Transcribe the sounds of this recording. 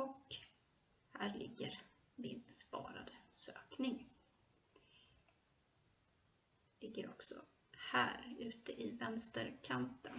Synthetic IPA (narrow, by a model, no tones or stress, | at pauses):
ɔk | hæːɾɭɪɡːəɾ | mɪnspɑːɾa̰d̪əsøːknɪŋ | lɪɡːəɾɔksɔ̰ | hæːɾʉ̟ːt̪əʔɪvɛnst̪əɾkʰant̪ən